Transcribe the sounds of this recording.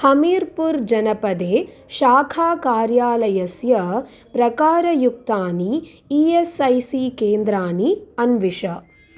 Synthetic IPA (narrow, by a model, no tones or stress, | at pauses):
hɐmiːɾpuɾd͡ʒɐnɐpɐd̪eː | ʃaːkʰaːkaːɾjaːlɐjɐsjɐ | pɾɐkaːɾɐjuk̚t̪aːni | iːesɐjsikeːnd̪ɾaːniɐnʋiʂɐ